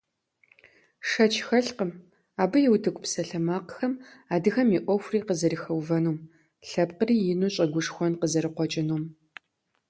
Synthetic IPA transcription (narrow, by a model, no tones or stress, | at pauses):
ʂɐt͡ʃʰxɐɬqəm | aːbɨjɛwtʰɨkʷʼpsɐɬɐmaːqxɐmaːdɨxɐmiʔʷɔxʷriːqəzɐɾixɐwvɐnuːm | ɬɐpqəriːjɪnuːɕʼɐɡʷʊʂxʷɔnqəzɐɾɨqʷɔt͡ʃʼɪnuːm